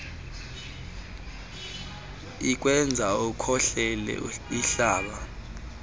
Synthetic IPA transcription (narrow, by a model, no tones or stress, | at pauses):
ik̬ʼwɛnd͡zʱaukʰɔɬɛlɛ̰iɬaːɓa